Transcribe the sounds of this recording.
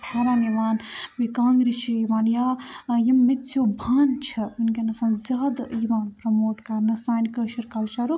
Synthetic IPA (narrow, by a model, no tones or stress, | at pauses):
ʈʰaːɾaniʋaːnmikãːŋɡɾit͡ʃʰiiʋaːnjajɐmːesʰjobʱaːnt͡ʃʰɐunkenɐsɐ̃nzaːd̪iʋaːnpɾɐmoːʈkɐɾnɐsaːnkɐʃiɾkɐlt͡ʃaɾu